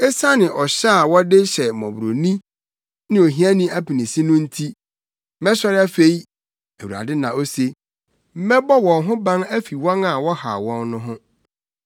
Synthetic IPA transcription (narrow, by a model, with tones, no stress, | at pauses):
ɛ˦sa˦nɪ̃˨ʔɔ˨ɕa˦a˨wɔ˦dɪ˦ɕɛ˨mɔ̰̃˨bɾo̰˨nĩ˦ | nɪ̃˦o˨ɦĩ˦a˦nĩ˦æ˦pi˨nĩ˨si˦nʊ̃˦n̩˦tʰi˦ | mɛ̃˦ɕɔ˦ɾɪ˦a˦fe˨˦i˦ | æ˨wu˨ɾa̰˨dɪ˦nã˨o˦se˨ | m̩˦mɛ̃˦bɔ˦wɔ̃˨nɦʊ̃˦bã˦næ˦fi˨wɔ̃˦na˨wɔ˦ha̰˨wɔ̃˦nnʊ̃˦ɦʊ̃˦